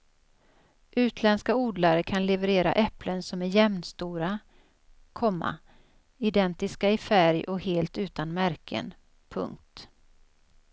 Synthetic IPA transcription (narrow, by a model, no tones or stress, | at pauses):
ʔʉ̟ːt̪ʰlɛnskauːd̪laɾəkʰanlɛvəɾeːɾa̰ʔɛplənsɔmæɾjɛmnst̪uːɾa | kʰɔmːa̰ | ɪd̪ɛnt̪ɪskaɪfæɾjɔkheːlt̪ʉ̟ːt̪anmæɾkʰə̰n | pʰɵ̰ŋk̚t̪